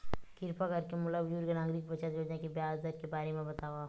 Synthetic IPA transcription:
kɪɾpakɐɾkemʊlabd͡ʒuːɾkenaːɡɾikbɐt͡ʃat̪ɾoːd͡ʒẽkebjaːzd̪əɾkebaːɾemẽbɐt̪aːʋa

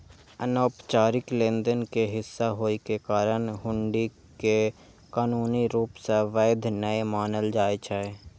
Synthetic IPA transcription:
ənoːpt͡ʃaːɾɪklẽːnd̪ənkeɦɪsːaɦoːikekaːɾəñɦʊ̃ɳɖi | ke | kaːnuːniɾuːpseʋəːɪd̪ʱnəemaːnəld͡ʒaːet͡ʃʰae

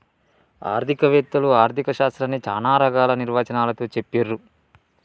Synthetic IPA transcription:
a̰ːɾd̪ʰʱikɐʋɛːt̪ːɐluaːɾt̪ikɐʃaːst̪ɾɐnit͡ʃaːnaːɾɐɡaːlɐniɾʋaːt͡ʃɐnaːlɐt̪o̞ːt͡ʃepːeːɾːu

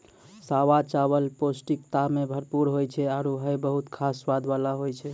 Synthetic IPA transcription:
sawat͡ʃaβəlposʈikt̪amebʱəɾpuɾɦojt͡ʃʰɛaɾoɦəjbəɦut̪kʰasʋad̪ʋalaɦojt͡ʃʰɛ

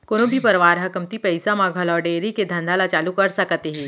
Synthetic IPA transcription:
konõbʱipɐɾʋaːɾɦɐkəmt̪ipɐɪsamãɡʱɐlɔːɾɖeːɾiked̪ʱɐ̃nd̪ʱaːlat͡ʃaːlukɐɾsɐkt̪eɦɛ̃ː

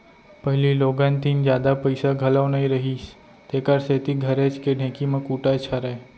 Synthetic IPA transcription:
pɐɦɪliloːɡãnt̪iːnd͡ʒjaːd̪apəɪsaɡʱɐlawnɐɦĩɾɐɦiːs | t̪eːkəɾseːt̪iɡʱɐɾeːt͡ʃkeɖʱẽːkimẽkuːʈat͡ʃʰaɾɐɦe

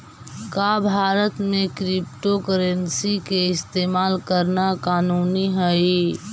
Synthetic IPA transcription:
kaːbʱaːɾət̪mẽkɾɪpʈokəɾənsikeɪst̪eːmaːlkəɾnakaːnuːniɦəi

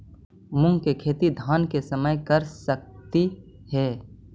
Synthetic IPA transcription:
mʊ̃ŋɡkekʰeːt̪id̪ʱaːnkesəməjkəɾsək̚t̪i | hɛː

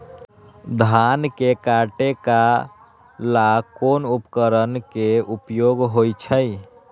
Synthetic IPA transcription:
d̪ʱankekaʈeka | lakonupkəɾənkeupjoɡɦojt͡ʃʰəj

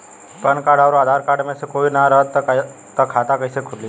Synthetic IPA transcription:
pənkaɽaʋɾoaːd̪ʱaɾkaɖmẽsekoinaɾəɦət̪ː | t̪ːəkʰat̪akəisekʰʊlːi

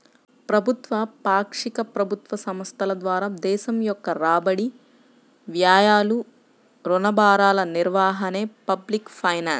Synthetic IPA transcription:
pɾɐbʱut̪ʋɐpaːkʂikɐpɾɐbʱut̪ʋɐsɐmɐst̪ʰɐlɐd̪ʋaːɾaːd̪ɛːʃɐmjɔkːɐɾaːbɐɽi | ʋjaːjaːlu | ɾunɐbaːɾaːlɐniɾʋaːɦɐneːpɐblikpʰɐjnaːns

